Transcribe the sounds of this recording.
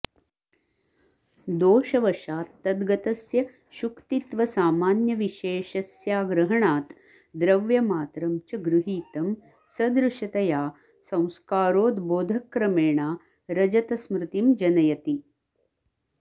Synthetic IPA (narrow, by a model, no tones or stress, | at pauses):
d̪oːʃɐʋɐʃaːt̪ːɐd̪ɡɐt̪ɐsjɐ | ʃukt̪it̪ʋɐsaːmaːnjɐʋiʃeːʃɐsjaːɡɾɐɦɐɳaːt̪ | d̪ɾɐʋjɐmaːt̪ɾɐmt͡ʃɐɡɾuɦiːt̪ɐm | sɐd̪ɾuʃɐt̪ɐjaː | sɐ̃w̃skaːɾoːd̪boːd̪ʱɐkːɾɐmeːɳaː | ɾɐd͡ʒɐt̪ɐsmɾɪt̪imd͡ʒɐnɐjɐt̪i